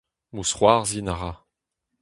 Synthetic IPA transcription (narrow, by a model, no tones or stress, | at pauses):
musχwaːʁzinaʁa